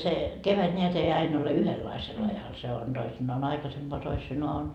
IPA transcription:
se keʋæt nʲeæt ei ɑin ole yhelːɑisel ɑjɑl se on d̥oisinːɑːn ɑikɑsempoɑ toisinoɑ on

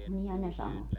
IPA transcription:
nihæn ne sɑno

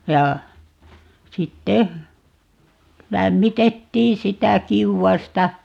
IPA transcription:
jɑ sitːe læmːitetːiː sitæ kiuwɑstɑ

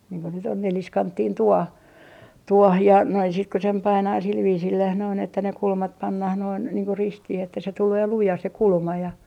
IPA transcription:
niːŋ ko nyt on neliskɑntːiːn tuoh tuɔh jɑ næi sit ku sem pɑinɑː sil ʋiːsilːæh noin etːæ ne kulmɑt pɑnːɑh noin niːŋ ku ristih etːæ se tuleː lujɑ se kulmɑ jɑ

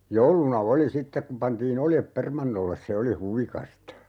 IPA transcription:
joulunɑ oli sitːek kum̆ pɑntiːn oljep permɑnːolːes se oli huʋikɑstɑ

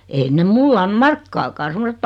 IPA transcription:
ein ne mulː ɑn̞ mɑrkːɑːkɑː semosetː

